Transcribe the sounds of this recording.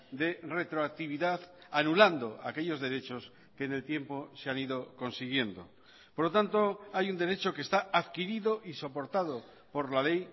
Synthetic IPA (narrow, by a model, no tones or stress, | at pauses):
d̪e̞re̞t̪ɾoak̚t̪iβ̞iðaðanuland̪o̞ake̞ʎo̞zðe̞ɾe̞t͡ʃo̞s | ke̞ːne̞lt̪je̞mpo̞seaniðoko̞nsiɣ̞je̞nd̪o̞̰ | poɾlot̪ant̪o̞ajund̪e̞ɾe̞t͡ʃo̞ke̞st̪aaðkiɾiðo̞ʔiso̞po̞ɾt̪aðo | po̞ɾlale̞j